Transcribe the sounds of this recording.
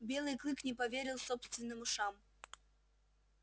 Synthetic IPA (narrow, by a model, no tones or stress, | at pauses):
bʲe̞lˠɨjklˠɨknʲɪpɐvʲeɾʲɪlˠsopst̪vʲɪnːɨmʊʂam